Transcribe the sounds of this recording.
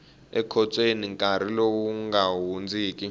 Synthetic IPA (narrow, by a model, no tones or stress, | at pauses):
ɛkʰɔt͡sʼweniŋkʼaɾ̤ilokuŋɡawund͡zʱiːk̬ʼi